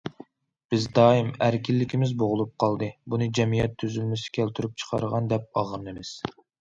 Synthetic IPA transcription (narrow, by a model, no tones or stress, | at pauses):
b̥ɪzd̪ɑːimæɾkʲilːɪkʲimɪzboʁʊlˠup̚qʰɑlˠd̪ɨbunɨd͡ʒɛmijɛt̪ʰːyzylmɪsɪ̥kʲʰælt̪ʰyɾyp̚t͡ʃʰə̥qʰɑɾəʁɑnd̪ɛp̚ɑʁəɾnɨmɪz̥